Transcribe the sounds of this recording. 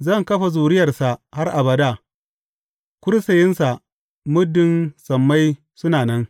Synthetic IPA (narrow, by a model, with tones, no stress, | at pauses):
zɐ˦˨ŋkɐ˦ɸa˨zuː˨ɾɪ˦jɐ˨rsa˨ha˦rʔa˨bɐ˨da˦˨ | kʷʊ˦ɾsɐ˨jɪ˦nsa˨ | mʊ˦dːɪ˦nsɐ˨mːa˦j | sʊ˦naː˨nɐ˦ŋ